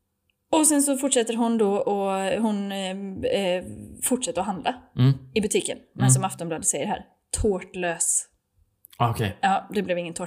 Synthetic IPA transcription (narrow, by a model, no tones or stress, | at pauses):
ɔsɛnsɔfʊʈːʂɛt̪ːəɾɦʊnd̪ɔɔɦʊn | fʊʈːʂɛt̪ːəɾɔɦand̪lʔaɪbɵt̪ʰiːkə̰nnɛns̬ɔmaft̪ɔnblɑːd̪ətsɛjːəɖɦæ̰ːɾ | t̪ʰoːʈløːs | ɔkʰejɑːd̪ɛblɛvɪŋːənt̪ʰoː